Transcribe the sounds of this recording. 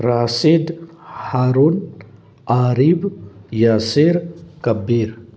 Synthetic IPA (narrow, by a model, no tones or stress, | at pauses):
ɾaːsid̪ | haːɾun | aːɾibjaseɾkɐbiɾ